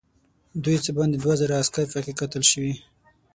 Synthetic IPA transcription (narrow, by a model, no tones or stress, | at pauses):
d̪ujt͡səbɑnd̪ed̪wazaɾaːskaɾfakekat̪əlʃəwi